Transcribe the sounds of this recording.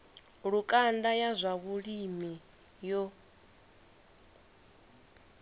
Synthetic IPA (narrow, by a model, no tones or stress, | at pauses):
ɺukʼandajazʷaβuɺimi | jɔ